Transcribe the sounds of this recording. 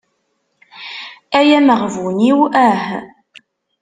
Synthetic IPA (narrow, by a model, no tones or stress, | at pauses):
æjæməʁvwniwæh